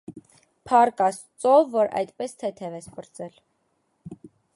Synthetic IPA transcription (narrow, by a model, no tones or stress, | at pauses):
pʰɑrkɑs | t͡sɔvːɔɾɑ̰jt̪pɛst̪ʰɛt̪ʰɛvɛspəɾt͡sɛl